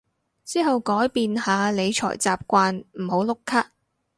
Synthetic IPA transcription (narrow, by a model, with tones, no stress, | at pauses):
t͡siː˥ɦɐ˨wkɔː˨˥jpiː˨nhaː˨˧le˨˧jt͡ʃʰɔ̰ː˨˩jt͡saː˨p̚kʷaː˧nm̩˨˩ho˨˧˥wlʊ˥kʰːaː˥k̚